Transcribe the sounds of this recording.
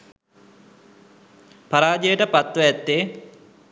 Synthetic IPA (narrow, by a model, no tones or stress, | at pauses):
paɾaːd͡ʒəjəʈəpat̪ʋəɛt̪ːe